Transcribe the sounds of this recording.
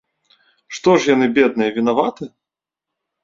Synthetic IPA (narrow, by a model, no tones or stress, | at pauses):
ʂt̪ɔʂjanɨbʲɛd̪̚nɨjɐvʲinavat̪ɨ